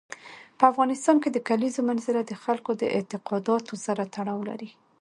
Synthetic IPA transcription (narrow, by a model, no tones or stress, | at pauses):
pəafɣɑnɪst̪ɑnked̪əkalizomanzɪlad̪əxalkod̪ə̰ʔɪ̰t̪ɪqɑd̪ɑt̪ozaɾat̪aɽɑwla̰ɾi